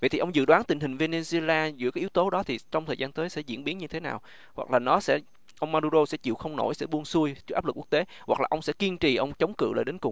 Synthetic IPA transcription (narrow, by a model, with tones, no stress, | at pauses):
və̰˧˨jt̪ʰi˨˩ʔə˧wŋ͡mzɨ̰˧˨ɗwaː˨˦nt̪ï˨˩ŋ̟ɦï˨˩ŋ̟ve˧ne˧ze˧laː˧zɨ̰˧˥kaː˨˦ʔi˨˦wt̪o˨˦ɗɔ˨˦t̪ʰi˨˩t͡ɕɔ˧wŋ͡mt̪ʰəː˨˩jzaː˧nt̪əː˨˦jsɛ̰˧˥zḭ˧˥ənɓi˨˦ənɲɨ˧t̪ʰe˨˦na̰ː˨˩w | hwa̰˨˩k̚laː˨˩nɔ˨˦sɛ̰˧˥ | ʔə˧wŋ͡mmaː˧ɗu˧zo˧sɛ̰˧˥t͡ɕḭ˧˨wxə˧wŋ͡mno̰˧˩jsɛ̰˧˥ɓu˧ənsu˧əjt͡ɕɨ˦˥k̚ʔaː˦˥lku˦˥k̚t̪e˨˦hwa˨˩k̚laː˨˩ʔə˧wŋ͡msɛ̰˧˥ki˧nt͡ɕḭ˧˨ʔə˧wŋ͡mt͡ɕə˨˦wŋ͡mkɨ̰˧˨la̰ː˨˩ɗe˨˦nkʊ˨˩ŋ͡m